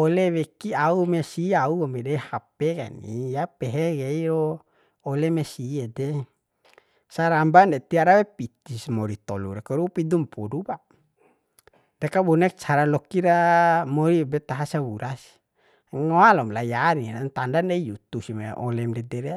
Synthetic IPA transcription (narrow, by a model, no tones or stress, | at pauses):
ɔlewekiaumesiauomedehapeka̰nḭjapeɦɛɡeiɾoː | lemesiede | saɾambandet̪iaɾawepit̪ismoɾit̪ɔluɾekaɾupid̪umpuduba | dekabɔnɛk̚t͡ʃʰaɾalɔkiɾamɔɾibɛt̪aɦasawuɾas | ŋoalɔmlajaninant̪andaneijut̪usimeʔɔlɛmdɛdɛɾe